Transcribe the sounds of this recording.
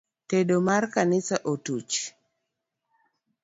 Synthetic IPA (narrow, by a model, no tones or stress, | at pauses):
teɗomarkanɪsaʔotut͡ʃ